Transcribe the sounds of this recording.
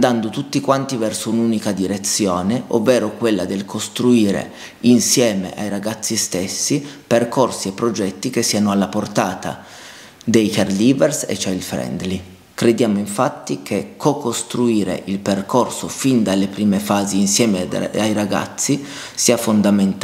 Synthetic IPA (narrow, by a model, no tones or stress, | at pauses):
nd̪and̪ot̪ut̪ːikwant̪ivɛrsounuːnikad̪iɾet̪sːjoːneʔo̰vːeːɾokwelːad̪elkʰost̪ɾuiːɾḛ | insjɛːmḛʔajɾaɡat̪sːist̪esːiperkorsiepːɾod͡ʒɛt̪ːik̟esːiːanoalːaport̪aːt̪a̰ | d̪ejkarliːvɛrsḛt͡ʃːajilfɾɛ̰nd̪li | kɾed̪jaːmoiɱfat̪ːikʰekʰːokost̪ɾuiːɾḛʔilperkʰorsofind̪alːepɾiːmefaːziːnsjɛːmeajɾaɡa̰t̪sːisiːafond̪ament̪